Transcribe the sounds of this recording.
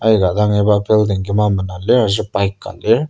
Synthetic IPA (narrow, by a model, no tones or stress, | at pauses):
ajɡad̪aŋebapʰeld̪eŋɡimamɯnalːeazɯpaik͈ːa̰li